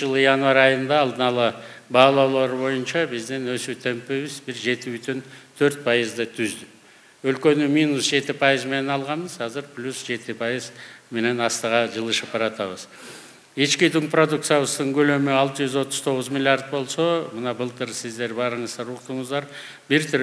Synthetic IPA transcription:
ʒəlˠəjɑnvɑɾɑjənd̪ɑːlˠd̪ənɑlˠəbɑlˠɑwlˠɑɾbo̞jənʃɑbɪzd̪ɪnɵsut̪ʰempeβɪzbɪɾʒe̞t̪ɪbʏt̪ent̪ʰɵɾt̪̚pʰɑjəzd̪ət̪ʰʏzd̪ɪ | ɵlkʲe̞nɪmijnusʒe̞t̪ɪpʰɑjəzme̞nenɑlˠʁɑməz̥hɑzɪɾpʰlʲusʒe̞t̪ɪpʰɑjəzme̞ne̞nɑst̪əʁɑʒəlˠəʃəp̚bɑɾɑt̪ɑβəz̥ | et͡ʃkʲid̪ɪŋprod̪uk̚t̪sjaβəst̪əɴkʲʰɵlø̞mɪɑlˠt̪əʒʏzwo̞t̪ːʊ̥zt̪ʰo̞ʁəzmilʲiard̪̚bo̞lˠso̞mənɑbəlˠt̪əɾsɪzd̪e̞ɾbɑɾəɴəzd̪ɑɾuqt̪əɴəzd̪ɑɾ | bɪɾt̪ʰʏɾ

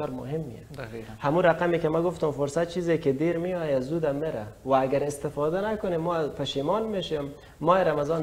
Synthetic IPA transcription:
ɔːɾmʊ̰ɦɪmːḭja̰ | hamuɾaqamekemaɡʊft̪ʊmfʊɾsat̪̚t͡ʃʰizeked̪eɾmiɑjazud̪amːeɾawaːɡaɾɪst̪ɪfɔd̪anakʊnemːɔːzpʰaʃimɔnmeʃemː | ɔeɾamazɔːn

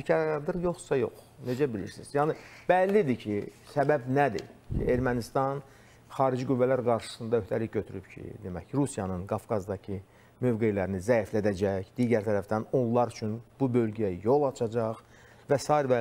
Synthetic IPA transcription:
icʰɑɾd̪ɯɾjo̞χsɑjo̞̰χne̞d͡ʒæbilḭɾsizjɑːnɨb̥ælːid̪icʰisæbæbnæd̪ḭcʰḭeɾmænist̪ɑn | χɑːɾid͡ʒiɡyvːælæɾɡɑɾʃɯ̥sɯnd̪ɑø̞ht̪ʰæliçɟøt̪ʰyɾypcʰḭd̪emæ̰çɾusijɑnɯnɡɑfkʰɑzd̪ɑcʰi | mø̞vɡe̞jlæɾinizæiflæd̪æd͡ʒæçd̪̥iːɟæɾt̪ʰæɾæfd̪æno̞nlˠɑɾyt͡ʃʰynb̥ubø̞lɟæjæjo̞lˠɑt͡ʃʰɑd͡ʒɑχ | væsɑːiɾæ

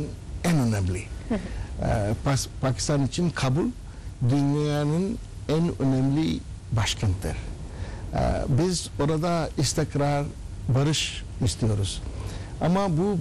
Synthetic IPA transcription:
ɛnonebli | pʰaki̥st̪anit͡ʃʰinkʰabul | d̪ynjijanɯn | ɛnønemlibaʃkʰant̪ʰɯ̰ɾ̰ | bizoɾad̪aist̪ikɾaɾbɐɾɯʃ | ist̪ijoɾuz̥ | a̰mabu

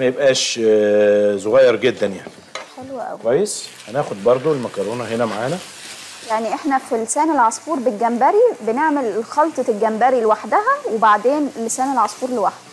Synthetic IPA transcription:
mæjebʔæːʃ | zoɣæjːɑɾˤɡed̪ːænja̰ʕni̥ | ħelwæʔæ̰wikwæjːesʔænææːxod̪̚bɑɾˤd̪ˤoelmækɑɾˤoːnɑɦenæmaʕaːnæ | jaʕniʔeħnæfilːesæːnelʕɑsˤfuːɾbelɡæmbæɾibeneʕmelxɑlt̪ˤɑelɡæmbæɾilewaħd̪æɦæwebaʕd̪eːnelːesæːnelʕɑsˤfuːɾlewaħd̪̥̚

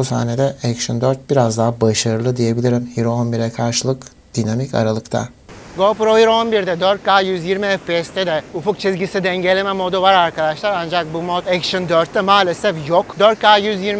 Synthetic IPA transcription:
busa̰ːned̪ɛɛkʃɯnd̪øɾt̪̚biɾazd̪aɦabaʃaɾɯlˠɯd̪ije̞bilʲiɾimhiɾonbiɾɛkʰaɾʃɯlˠɯk | d̪̥inamicʰa̰ɾalˠɯkt̪ʰa̰ | ɡopɾohiɾo̞nbiɾd̪ɛd̪øɾt̪̚kʰaːjyzjiɾmiɛfpeːst̪ʰɛd̪ɛufuk̚t͡ʃʰizɟisid̪ɛɲɟelʲemɛmod̪uvaɾaɾkʰad̪aʃlˠaɾand͡ʒak̚bumot̪ɛkʃɯnd̪øɾt̪ːɛmaːlʲesɛfjokd̪øɾt̪̚kʰaːjyzjiɾ

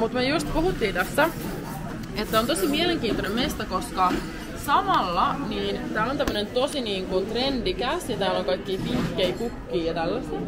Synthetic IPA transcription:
mut̪myøjust̪puhut̪ːiːnt̪æst̪æ | et̪ːæont̪osimieleŋkiːnt̪onemmest̪ækoskɑ | sɑmɑlːɑniːnt̪æːlont̪æmːønent̪osiniːŋkunt̪rendikæsjɑt̪æːloŋkɑikːiːpiŋkːeikukːiːjɑt̪ælːæst̪

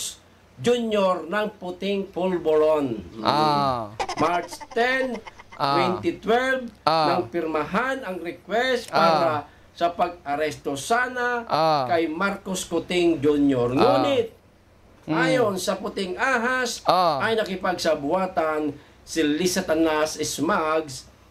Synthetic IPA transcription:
s | d͡ʒunjoɾnɐŋpʊt̪ɪŋpulbolon | maɹt͡ʃt̪ɛnwɛnt̪ɪt̪wɛlb̪ɐŋpɪɾmɐɦanɐŋɾɛkwɛst̪paːɾa | sɐpɐɡ̚ɐɾɛst̪osaːnaʔkɐjmaɾkoskʊt̪ɪŋd͡ʒunjoɾŋuːnɪt̪̚ | ʔaːjonsɐpʊt̪ɪŋʔaːɦasɐjnɐkɪpɐɡ̚sɐbʊaːt̪an | sɪlɪsat̪anasɪsmaɡs

